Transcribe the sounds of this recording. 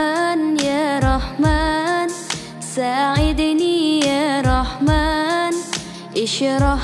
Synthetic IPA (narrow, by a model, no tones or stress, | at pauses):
njaːɾˤɑħmaːn | saːʕɪd̪nijaɾˤɑħmaːn | ʔɪʃɾˤɑ